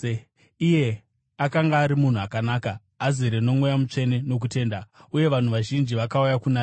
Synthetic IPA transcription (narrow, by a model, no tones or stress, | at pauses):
ije̞ | akaŋɡaːɾimun̤uakanaːkaː | ziɾeno̞mwojamut͡ʂe̞ne̞no̞k̬ute̞ːndauje̞ʋan̤uʋaʒind͡ʒiʋakaujakunaː